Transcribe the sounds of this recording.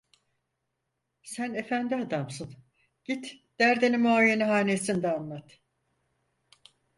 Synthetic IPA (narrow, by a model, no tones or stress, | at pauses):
sæne̞fænd̪iad̪amsɯn | ɟ̥it̪d̪̥æɾd̪enimoajeniɦaːnesind̪ɛanlˠat̪